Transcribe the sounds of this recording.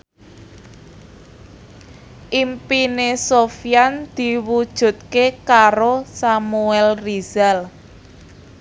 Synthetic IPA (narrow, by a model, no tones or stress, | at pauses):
ʔimpinesofijand̪̥i̤wud̥ʒ̥ṳt̪̚kekaɾosamuɛlrizal